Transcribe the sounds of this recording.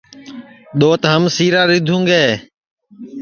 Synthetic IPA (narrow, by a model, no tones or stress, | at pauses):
ɗ̪oːt̪ɦəmsiːɾaːɾɪd̪ʱũːŋɡeː